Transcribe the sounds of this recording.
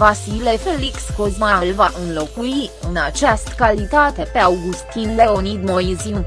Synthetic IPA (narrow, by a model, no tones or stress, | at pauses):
vasilefelikskozmallvaʔɨnlo̞kuiɨnat͡ʃast̪kalit̪at̪e̞pe̞awɡust̪inle̞onid̪moizin